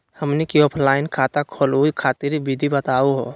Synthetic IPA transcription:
həmnekiɔːpʰlaːɪnkʰaːt̪akʰoːluikʰaːt̪iɾibid̪ʱibət̪aːuɦo̰ː

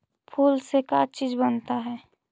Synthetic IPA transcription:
pʰuːlsekat͡ʃiːd͡ʒbənt̪aɦɛː

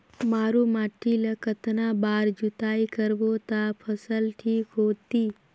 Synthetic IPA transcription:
maːɾomaːʈʰiləkət̪nabaːɾd͡ʒut̪aːikəɾʋot̪apʰəsəlʈʰiːkɦoːt̪iː

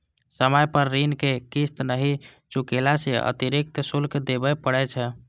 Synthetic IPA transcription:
səməjpəɾːinkekist̪nəɦit͡ʃukelaseə̰t̪iɾik̚t̪sulkd̪ebɛpəɽɛt͡ʃʰɛ

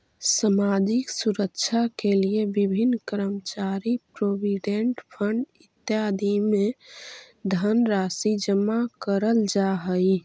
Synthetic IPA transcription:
samad͡ʒiksuɾəkt͡ʃʰakeliebibʱinːkəɾəmt͡ʃaɾipɾobiɖeɳʈpʰəɳɖit̪jad̪ʱime | d̪ʱənɾasid͡ʒəmːakəɾəld͡ʒaɦəj

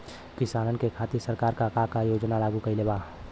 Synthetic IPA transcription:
kɪsaːnənkekʰaːt̪iɾsəɾkaːɾkakakajoːd͡ʒnalaːɡukəileːba

